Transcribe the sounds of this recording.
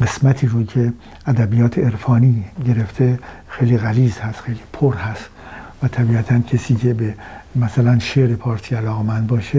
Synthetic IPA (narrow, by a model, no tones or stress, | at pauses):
ɡe̞smæt̪ʰiːɾocʰe̞ | ʔæd̪æbijɒːt̪ʰeeɾfɒːniːɟe̞ɾe̞ft̪ʰe̞ | xejliːɣæliːzhæst̪xejliːpʰoɾhæst̪væt̪ʰæbiːæt̪ʰæncʰesiːcʰe̞bemæsælænʃeɾepʰɒːɾt̪ʰiːælɒːɣemænd̪̚bɒːʃe